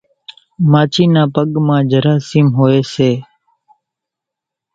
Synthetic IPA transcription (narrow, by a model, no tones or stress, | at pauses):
maːt͡ʃʰiːnãːpəɠmãːd͡ʒʱəɾaːsiːmɦoːeːseː